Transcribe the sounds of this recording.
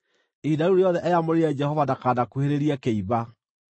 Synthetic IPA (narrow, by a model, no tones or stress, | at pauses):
idauɾejɔðɛʔɛjamoɾeɾad͡ʒɛhɔvadakaːnakueɾeɾiakeiβa